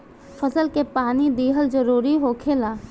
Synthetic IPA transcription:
fʰəsəlkepaːnid̪iːɦəlzəɾuːɾiɦokʰeːlaː

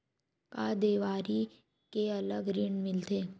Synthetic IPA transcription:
kad̪eːʋaːɾi | keɐləɡɾɪɳmɪlt̪eː

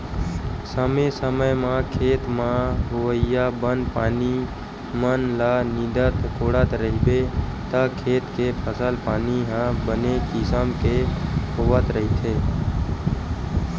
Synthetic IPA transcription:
səmesəməjmãkʰeːt̪mãɦʊʋəɪjabənpaːni | mənlanid̪ət̪koːɽət̪ɾəɦibet̪əkʰeːt̪kepʰəsəlpaːniɦãbənekɪsəmkeɦoʋət̪ɾəɦit̪ʰeː

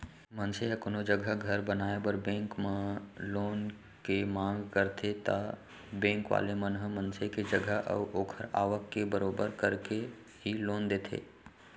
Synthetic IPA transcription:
mənseɦəkʊnod͡ʒəɡʱəɡʱəɾbənaːebəɾbẽːŋkmẽloːn | kemãːŋɡkəɾt̪ʰet̪a̰ | bɛ̃ːŋkʋa̰ːlemənɦəmənseked͡ʒəɡʱəɦə̰ʋʔoːkʰəɾa̰ːʋəkːebəɾoːbəɾkəɾke | ɦiloːnd̪eːt̪ʰḛː

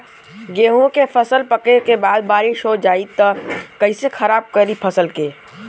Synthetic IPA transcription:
ɡeːɦõkepʰəsəlpəkekebaːd̪̚baːɾiʃod͡ʒaːit̪əkɐɪsexʰɐɾaːb̚kəɾipʰəsəlkeː

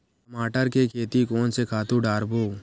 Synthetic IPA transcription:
kəmaːʈəɾkekʰeːt̪ikɔːnsekʰaːt̪ũɖaːɾboː

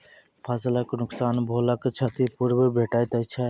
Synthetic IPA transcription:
pʰaslaknʊksanbʱolakt͡ʃʰət̪ipuɾbəbʱeʈajt̪at͡ʃʰɛ

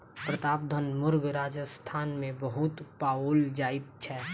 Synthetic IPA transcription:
pɾət̪aːb̚d̪ʱənmʊɾɡɾaːd͡ʒəst̪ʰaːnmẽbəɦʊt̪paːoːld͡ʒaːɪt̪̚t͡ʃʰɛː

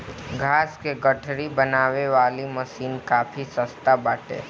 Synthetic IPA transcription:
ɡʱaːskeɡəʈʰɾibɐnaːʋeʋaːliməsiːnkaːfʰisəst̪abaːʈḛː

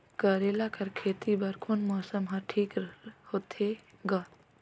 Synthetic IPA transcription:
kəɾelakɐɾkʰeːt̪ibɐɾkʰonmɔːsəmɦɐɾʈʰiːkɾhot̪ʰeɡɐt̪

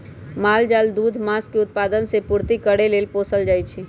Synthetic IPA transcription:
maːld͡ʒaːld̪uːd̪ʱmãskeʊt̪̚paːd̪ənsepuɾt̪ikəɽeleːlpoːsəld͡ʒaːjt͡ʃʰi

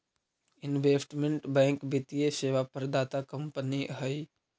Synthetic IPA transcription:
ɪnʋeːsʈmẽɳʈbɛ̃ːŋkbit̪ijeseːʋapəɾd̪aːt̪akə̃mpəniɦəi

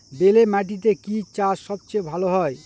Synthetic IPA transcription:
belemaʈ̬it̪̬ekit͡ʃasʌb̚t͡ʃebʱaloɦɔe

